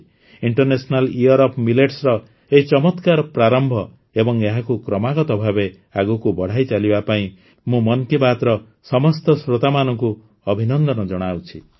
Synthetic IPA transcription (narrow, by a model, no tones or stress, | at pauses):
iɳʈɔrnesɔnalijɔɾɔpmileʈsɾɔ | eɦit͡ʃɔmɔt̪kaɾpɾaɾɔmbʱɔ | ebɔŋeɦakukɾɔmaɡɔt̪ɔbʱabe | aɡukubɔɽ̤ajt͡ʃalibapaĩ | mũmɔnkibat̪ɾɔ | sɔmɔst̪ɔsɾot̪amanɔŋku | ɔbʱinɔnd̪ɔnɔd͡ʒɔɽ̃awt͡ʃʰi